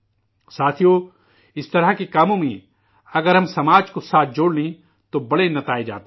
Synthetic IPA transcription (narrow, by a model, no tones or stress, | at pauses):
saːt̪ʰijo | ɪst̪ɐɾakikaːmõmĩ | ɐɡəɾɦɐmsɐmaːd͡ʒkosaːt̪̚ʰd͡ʒoːɽlĩ | t̪obɐɽenɐt̪aːed͡ʒa̰ːt̪ː